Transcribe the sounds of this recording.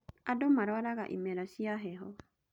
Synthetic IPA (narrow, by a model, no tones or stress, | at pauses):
adomaɾaɾaɣa̰ʔḭmɛɾasiaɦɛɦɔ